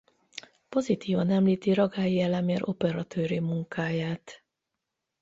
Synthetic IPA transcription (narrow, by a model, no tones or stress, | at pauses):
po̞zit̪iːvɒnɛmliːt̪iɾɒɡaːjiɛlɛmeːɾʔo̞pɛɾɒt̪ʰøːɾimuŋkaːjaːt̪